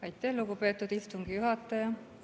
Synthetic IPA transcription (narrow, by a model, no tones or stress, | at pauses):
ɑjt̪ːˑæhluɡupe̞ːt̪ːˑud̪̥ist̪uŋɡ̥ijuɦɑt̪ːˑɑjɑ